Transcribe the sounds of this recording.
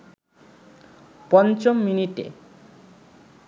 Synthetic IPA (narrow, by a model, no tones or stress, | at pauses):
pɔnt͡ɕomːiniʈḛ